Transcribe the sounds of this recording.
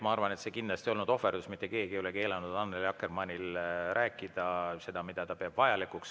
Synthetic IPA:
mɑɑrvɑne̞t̪se̞kind̪lɑst̪io̞lnud̪o̞ferd̪usmit̪ːˑe̞ke̞ːɡijoleke̞ːlɑnud̪ɑnːeljɑkːermɑnʲilrʔæːkːˑid̪̥ɑse̞d̪̥ɑmid̪̥ɑt̪ɑpeɑb̥vɑjɑlikːˑuks

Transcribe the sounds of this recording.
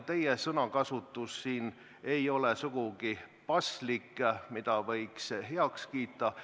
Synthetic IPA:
t̪e̞jesɤnɑkɑsut̪ːˑusːiːn | e̞jo̞lesuɡ̥uɡ̥ipɑslikːˑmid̪̥ɑvɤ̞jksɦeɑkskiːt̪ːˑɑ

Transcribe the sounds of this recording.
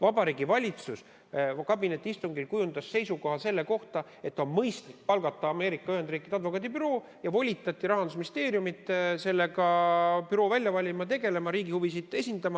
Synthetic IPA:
vɑbɑɾiːɡivɑlʲit̪sus | kɑbine̞t̪ːˑiist̪uŋɡilkujund̪̥ɑsːe̞jsuko̞ɦɑse̞lːe̞ko̞ht̪ɑ | e̞t̪ːˑo̞nmɤjst̪lik̚pɑlɡɑt̪ːˑɑːme̞ːɾikːˑɑyhe̞nd̪riːkːˑid̪eɑd̪vo̞kːˑɑːt̪ipyɾo̞ː | jɑvo̞lʲit̪ːˑɑt̪ʲːˑiɾɑɦɑnd̪usminʲist̪e̞ːɾiumit̪ːˑse̞lːe̞ɡɑpyɾo̞ːvælʲjɑvɑlʲimɑt̪̬e̞ɡe̞le̞mɑɾiːɡihuvisid̪e̞sʲind̪̥ɑmɑ

